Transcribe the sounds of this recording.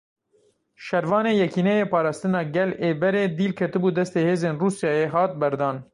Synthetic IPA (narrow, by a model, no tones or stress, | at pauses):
ʃɛɾvɑːneːjɛkiːnɛjeːpɑːɾɑːst̪ɨnɑːɡɛleːbɛɾeːd̪iːlkʰɛt̪ɨbuːd̪ɛst̪eːheːzeːnruːsjɑːjeɦɑːt̪̚bɛɾd̪ɑːn